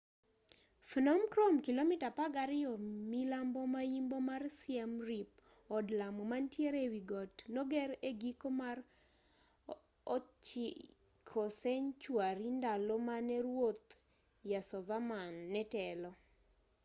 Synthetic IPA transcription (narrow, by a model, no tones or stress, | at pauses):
fnamkɾomkilomitapaɡaɾɪjɔmilambɔmajimbomarsɪɛmrip̚ | ɔdlamɔmantjeɾewiɡɔtnɔɡɛɾeɡikomar | ɔt͡ʃi | kʰɔsɛɲt͡ʃwaɾindalɔmanɛɾwot̪ | jasɔvamanːɛtɛlɔ